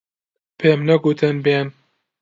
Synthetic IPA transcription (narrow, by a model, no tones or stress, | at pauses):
pʰeːmnɐɡut̪ʰənben